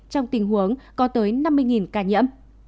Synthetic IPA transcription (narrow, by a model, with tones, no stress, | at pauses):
t͡ɕɔ˧wŋ͡mt̪ï˨˩ŋɦu˨˦əŋkɔ˨˦t̪əː˨˦jna˧mːɨ˧əjŋi˨˩nkaː˧˩ɲə̰˧˥m